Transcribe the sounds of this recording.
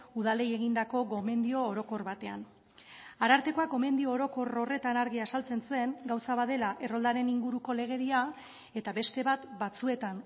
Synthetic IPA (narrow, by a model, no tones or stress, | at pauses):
uð̞ale̞je̞ɣind̪ako̞ɡo̞me̞nd̪io̞ːɾo̞ko̞rβat̪e̞a̰n | aɾaɾt̪e̞ko̞ako̞me̞nd̪io̞ːɾo̞ko̞ro̞re̞t̪anaɾɣiasalt͡se̞nsue̞ŋɡawsaβaðe̞laʔe̞ro̞ld̪aɾe̞niŋɡuɾuko̞le̞ɣ̞e̞ɾia | e̞t̪aβe̞st̪e̞βat̪bat͡sue̞t̪an